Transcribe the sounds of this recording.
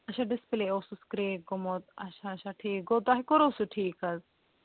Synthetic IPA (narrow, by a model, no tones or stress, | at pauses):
ɐʃaɖɪspleowsuskɾeːɡɔmɔt̪̚a̰ʃaːʃaʈʰiːk̚ɡɔd̪aɦikɔɾowsuʈʰiːkaz